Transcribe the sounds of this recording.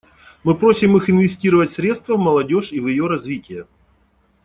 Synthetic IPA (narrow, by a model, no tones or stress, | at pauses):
mɨpɾosʲɪmɨxɪnvʲɪsʲtʲiɾəvətʲsɾʲe̞t̪st̪vəvmɐlˠɐdʲo̞ʂivjɪjo̞ɾɐzvʲitʲɪjə